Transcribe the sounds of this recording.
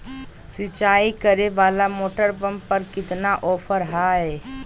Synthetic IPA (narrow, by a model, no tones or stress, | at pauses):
sɪt͡ʃaːikəɾeʋaːlamoːʈəɾbə̃mpɐɾkɪt̪naʔɔːpʰəɾɦaːɛː